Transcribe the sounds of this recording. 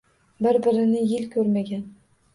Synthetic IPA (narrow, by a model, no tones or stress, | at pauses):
bɪɾbɪɾɪnɪjɪlkʲʰɵɾmaɡʲan